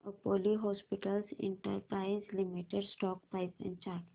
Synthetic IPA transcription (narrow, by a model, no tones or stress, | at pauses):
əpoːliɦɔːspɪʈəlsɪ̰̃ɳʈəɾpɾaɪ̃nslimiʈeɖsʈɔːkpaɪpɛ̰̃nɖt͡ʃaːɾʈ